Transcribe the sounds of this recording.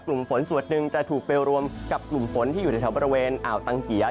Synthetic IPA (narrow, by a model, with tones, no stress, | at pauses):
klu˨˩mfo˩˦nsu˨˩ə˩t̪̚nɯ˨˩ŋt͡ɕa˨˩t̪ʰuː˨˩k̚pe˧wɾu˧əmka˨˩p̚klu˨˩mfo˩˦˥nt̪ʰi˥˩juː˨˩a˧˩t̪ʰa˦wbɔː˧ɾi˧weː˧nʔaː˨˩wt̪a˧ŋki˨˩˦ɐ